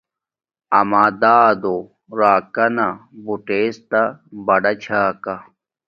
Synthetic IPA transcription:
ɐ̰maːd̪aːd̪o | ɾaːkɐnabuʈeːst̪abɐɖɐt͡ɕʰaːka

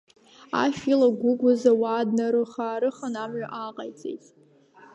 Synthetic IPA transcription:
a̰ʃᶣilaɡʷʊɡʷʊzawaːdnaɾɨχaːɾɨχanamɥaʔaqʼajt͡sʼe̞̰jtʼ

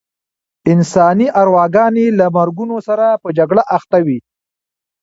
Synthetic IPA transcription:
ɪnsɑniʔaɾwɑɡɑnelamaɾɡunosaɾapəd͡ʒaɡɽaʔaxt̪awi

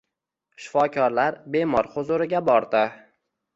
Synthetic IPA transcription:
ʃɪ̥fɒkʲʰɒɾlaɾbe̞mɒɾhʊzʊɾɪɡʲabɒɾd̪ɪ

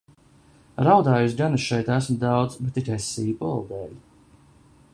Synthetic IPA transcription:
ɾawd̪aːjusɡanɨʃɛjt̪æsmd̪awd̪zbet̪iɾɛsːiːpɔlˠd̪ɛːlʲ

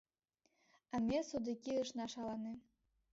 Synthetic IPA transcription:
ə̆mʲesud̪ikʲiɯʃnɑʃɑlˠɑni

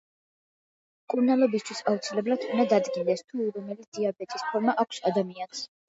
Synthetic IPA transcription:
kʼuɾnalˠɔbist̪ʰwisaut̪sʰilɛbɾat̪ʰund̪ad̪ad̪ɡind̪ɛst̪ʰuɾɔmɛlit̪̚d̪̥iabɛt̪ʼispʰɔɾmaʔakʷʰsad̪amians

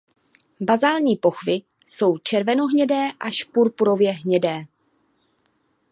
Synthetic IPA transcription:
bazaːlɲiːpo̞xvɪ | so̞wt͡ʃɛɾvɛno̞ɦɲɛdɛːʔaʃpuɾpuɾo̞vjɛɦɲɛdɛː

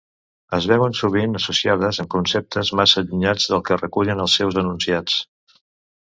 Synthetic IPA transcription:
əzβɛwənsuβ̞inəsusiað̞əzəŋkunsɛp̚t̪əzmasəʎuɲad͡zðəlˠkərəkuʎənəlˠsɛwzðənunsiat͡s

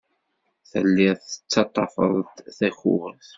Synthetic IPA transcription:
θə̰lːɪθə̥t͡sːɑt̪ˤːɑfə̰ðˤt̪θæçṵwəθ

